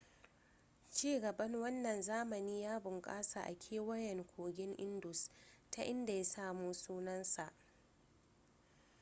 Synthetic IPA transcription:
t͡ʃiː˦˨ɡɐ˨bɐ˦ŋwɐ˦nːɐ˨nzaː˦mɐ˨niː˦jaː˦bʊ˨ŋkʼaː˦sa˨ʔa̰˨kʲʰeː˦wɐ˦jɛ˨ŋkʷʰoː˨ɡʲɪ˦ŋʔɪ˦ndʊ˨sta˦ʔɪ˦nda˨ja˦saː˦˨muː˦suː˦nɐ˦nsa˨ʔ

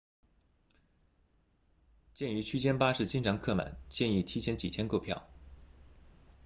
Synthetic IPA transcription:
t͡ɕjɛ˥˩ny˧˥t͡ɕʰy˥t͡ɕjɛ˥npa˥ʂɻ̩˥˩t͡ɕi˥nʈ͡ʂʰɑ˧˥ŋkʰɤ˥˩ma̰˨˩˦nt͡ɕjɛ˥˧ni˥˩t̪ʰi˥t͡ɕʰjɛ˥nt͡ɕi˨˩t̪ʰjɛ˥nko˥˧ʊpʰjɑ̰˥˩ʊ

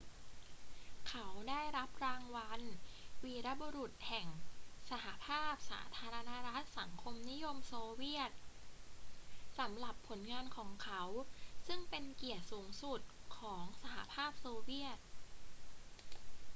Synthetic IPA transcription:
kʰa˦˥wdaː˥˩jɾa˦˥p̚ɾaː˧ŋwa˧nwiː˧ɾa˦˥boː˧ɾu˨˩t̪̚hɛ˨˩ŋsa˧ha˩˦pʰaː˥˩p̚sa̰ː˩˦t̪ʰaː˧ɾa˧na˦˥ɾa˦˥t̪̚sa˩˦ŋkʰo˧mni˦˥jo˧msoː˧wi˥˩ət̪̚ | sa˩˦mɾa˨˩pʰːo˩˦nŋaː˧nkʰɔː˩˦ŋkʰa˦˥wsɯ˥˩ŋpe˧nki˨˩ət̪̚suː˩˦ŋsu˨˩t̪̚kʰɔː˩˦ŋsa˧ɦa̰˨˩pʰaː˥˩p̚soː˧wi˥˩ət̪̚

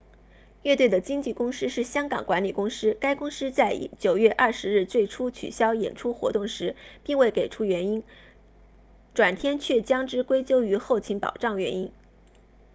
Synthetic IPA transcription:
ɥɛ˥˧t̪we˥˩ɪd̪ə˩t͡ɕi˥ŋt͡ɕi˥˩kʊ˥ŋʂɻ̩˥ʂɻ̩˥˩ɕjɑ˥ŋkɑ˨˩ŋkwa˧˥nli˨˩kʊ˥ŋʂɻ̩˥ka˥ɪkʊ˥ŋʂɻ̩˥t͡sa˥˩ɪ˥t͡ɕjo˨˩ʊɥɛ˥˧ʔɐ˥˩ʂɻ̩˧˥ɻ̩˥˧t͡swe˥˩ɪʈ͡ʂʰu˥t͡ɕʰy̰˨˩ɕjɑ˥ʊjɛ̰˨˩nʈ͡ʂʰu˥xwɔ̰˧˥t̪ʊ˥˩ŋʂɻ̩˧˥pi˥˧ŋwe˥˩ɪke˨˩ɪʈ͡ʂʰu˥ɥɛ˧˥ni˥n | ʈ͡ʂwa˨˩nt̪ʰjɛ˥nt͡ɕʰɥɛ˥˩t͡ɕjɑ˥ŋʈ͡ʂɻ̩˥kwe˥ɪt͡ɕjo˥ʊy˧˥xo˥˩ʊt͡ɕʰi˧˥ŋpɑ̰˨˩ʊʈ͡ʂɑ˥˩ŋɥɛ̰˧˥ni˥n

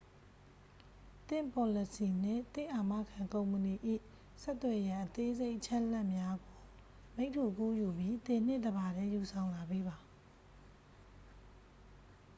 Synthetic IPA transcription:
t̪ɪ̰̃˦˨mpɔ˨lə˦˨si˨n̥ɪ̰̃˦˨t̪ɪ̰̃˦˨ʔa˨ma̰˦˨kʰã˨ŋkõ˨ʊ̃mpəni˨ʔḭ˦˨ | sɛ˦ʔt̪ːwɛ˨jã˨ʔət̪e˦ze˦ɪʔət͡ɕʰɛ˦ʔlɛ˦ʔmja˦ɡo˨ | me˦ɪʔtʰːu˨ku˦ju˨bji˦t̪ɪ̃˨n̥ɪ̰̃˦˨d̪əba˨ɾɛ̃˦ju˨sʰã˨ʊ̃la˨be˦ba˨

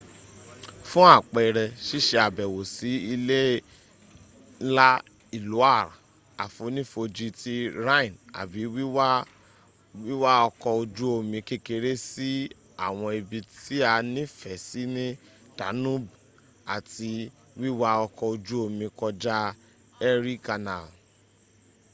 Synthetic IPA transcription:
fũ˦a˦˨k͡pɛ˨ɾɛ˧ʃi˦ʃe˧a˨bɛ˨wo˨si˨˦i˧le˦ | la˦ | i˦˨lu˨˦a˦˨ɾa̰˨ | a˨fo˧˦nĩ˦fo˧d͡ʒi˦ti˦ɾa˦ĩ˨na̰˨bi˨˦wi˦w | wi˦wa˦ɔ˧kɔ˧o˧d͡ʒu˦o˧mĩ˧ke˦˨ke˧ɾe˦si˦ | a˨w̃ɔ̃˧i˧bi˧ti˦a˧nĩ˦fɛ˨si˦nĩ˦ | ta˨˦nũ˦˨b | a˨tʰi˧ | wi˦wa˦ɔ˧kɔ˧o˧d͡ʒu˦o˧mĩ˧kɔ˧d͡ʒa˦ | ɛ˧ɾi˦ka˧na˨

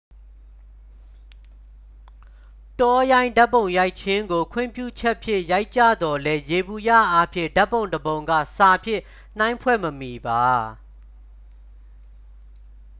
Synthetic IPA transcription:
tɔ˦jã˦ɪ̃nda˦pːõ˨ʊ̃ja˦ɪʔt͡ɕʰɪ̃˦ŋɡo˨kʰwɪ̰̃˦˨mpjṵ˦˨t͡ɕʰɛ˦ʔpʰjɪ̰̃˦˨ʔja˦ɪʔt͡ɕä̰˦˨d̪ɔ˨lɛ˦je˨bu˨jä̰˦˨ʔa˦pʰjɪ̰̃˦˨nda˦pːõ˨ʊ̃ndəbõ˨ʊ̃ŋɡa̰˦˨sa˨pʰjɪ̰̃˦˨ | n̥ã˦ɪ̃mpʰwɛ̰˦˨məmi˨ba˨

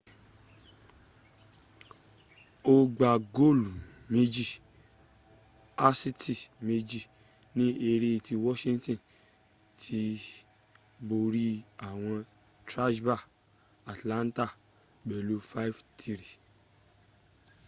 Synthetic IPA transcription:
o˧ɡ͡ba˨ɡo˦˨lu˨me˦d͡ʒi˦˨ | a˦si˦ti˦˨me˧d͡ʒi˦˨ | nĩ˦e˧ɾe˧˨ti˧wɔ˦ʃĩ˦ŋtĩ˦˨ | tʰi˦ | bo˧ɾi˦a˨w̃ɔ̃˧ | tɾa˦d͡ʒba˦˨ | a˨tlã˨˦n˦ta˦˨ | bɛ˨lu˦fa˦i˦ftʰi˧ɾi˨

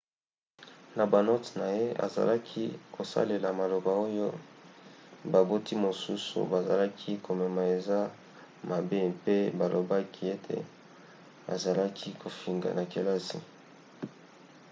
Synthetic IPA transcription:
na˨ba˨no˦tna˨je˦a̰˨za̰˨la˦kʰi˦kʰo˨sa̰˦le˨la˨ma˨lo˨ba˨o˦jo˦ | ba˨bo˦ti˦mo˨su˦sṵ˨ba˨za˨la˦kʰi˦ko˨mɛ˨ma˨e˨za˦ | ma˨be˦pe˦ba˨lo˨ba˦kʰi˦e˦tʰḛ˨ | a̰˨za˨la˦kʰi˦kʰo˨fi˨ŋɡa̰˨na˨ke˨la˦sḭ˨

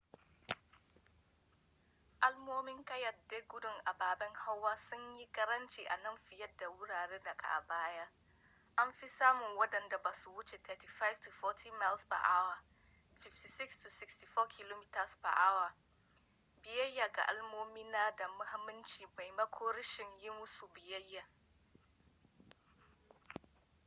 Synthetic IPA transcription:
ʔa˦lmoː˦mɪ˦ŋkɐ˦jɐ˨de˦ɡʊ˦dʊ˦˨ŋʔa˨baː˨bɛ˦ŋha˦wːaː˦sʊ˦ɲji˦kɐ˦ɾɐ˦nt͡ʃi˦˨ʔa˨nɐ˦ɱɸɪ˨jɐ˦dːa˨wʊ˦ɽaː˨ɽeː˦nɐ˨kʼa̰˨ʔa̰˨baː˦ja˦ | ʔa˦mɸi˦saː˦mʊ˨ŋwɐ˦dɐ˨nda˨ba˨su˨wʊ˦t͡ʃe˨tʰɛ˨ti˨fa˦jvtu˨fɔ˦tʰi˦ma˦lspa̰˨ʔa˦wa˨ | fɪ˨fti˨sɪ˦kstʰu˨sɪ˦ksti˨fɔː˦kʰɪ˦loː˦mi˦tɐ˨spa̰˨ʔa˦wa˨ | bɪ˨jɐ˦jːa˨ɡa̰˨ʔa˦lmoː˦miː˦naː˦da˨mʊ˦ha˦mːɪ˦nt͡ʃiː˨ba˨jmɐ˦kʰoː˦ɾɪ˦ʃɪ˨ɲjɪ˦mʊ˦su˨bɪ˨jɐ˦jːa˨

